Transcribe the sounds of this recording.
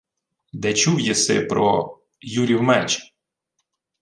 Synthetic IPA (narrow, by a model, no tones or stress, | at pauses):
d̪ɛt͡ʃuwjɛsɪ̰pɾɔ | juɾʲiwmɛt͡ʃ